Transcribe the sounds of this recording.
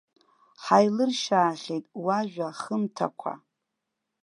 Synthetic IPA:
ħajlɨrʃaːχʲejtʼwaʒʷᶣaχəmtʰa̰kʷʰa̰

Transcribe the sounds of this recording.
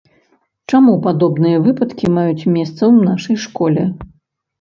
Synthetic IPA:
t͡ʂamupad̪ɔbnɨjɐvɨpɐt̪kʲimajut͡sʲmʲɛst̪sɐwnaʂɐjʂkɔlʲɛ

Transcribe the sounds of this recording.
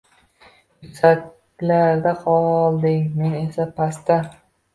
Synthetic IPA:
ɪsat̪ | laɾd̪aqʰɒlˠd̪ɪŋme̞ne̞sapʰast̪a

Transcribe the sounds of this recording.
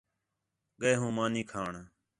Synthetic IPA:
ɠəeɦũːmaːniːkʰaːɳ

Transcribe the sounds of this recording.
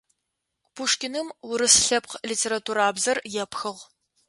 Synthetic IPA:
b̥ʰuʂkʲɪnɨmwʊɾɨsɬɐpqliːtʰeːɾatʰuːɾaːbzɐrjɛpxɨʁ

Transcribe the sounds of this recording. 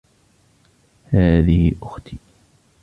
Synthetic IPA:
haːðɪhɪʔʊxt̪iː

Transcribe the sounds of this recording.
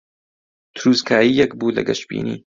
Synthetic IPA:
t̪ʰɾuːzkʰaːjijɛkbuːlɐ̰ɡɐʃbḭːnḭː

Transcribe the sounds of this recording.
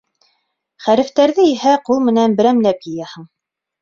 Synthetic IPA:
χæɾɘ̆ft̪æɾðɘiɦæqulˠmɘ̆nænbɘ̆ɾæmlæp̚kĭjæhɘ̆ɴ

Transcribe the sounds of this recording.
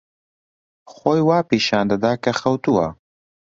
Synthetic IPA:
xoːjwaːpiːʃaːnd̪ɐd̪aːkɐxɐwt̪uwa

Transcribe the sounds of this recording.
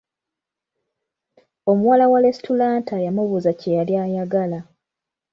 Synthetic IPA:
o̞muwalawale̞stulaːntajamuβuzacejaljaːjaɡala

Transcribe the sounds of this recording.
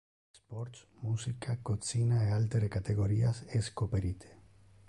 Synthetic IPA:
espoɾt̪t͡smusikakot͡sinaealt̪eɾekat̪eɣ̞o̞ɾiaseskopeɾit̪ʰe̥

